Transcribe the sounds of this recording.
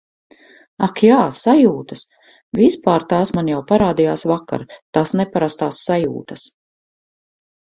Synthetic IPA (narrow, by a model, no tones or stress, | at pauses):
akjaːsajuːt̪ɐs | vispaːɾt̪aːsmanjawpaɾaːd̪ijaːsvaka̰ɾt̪asnɛpaɾast̪aːsːajṵːt̪ɐs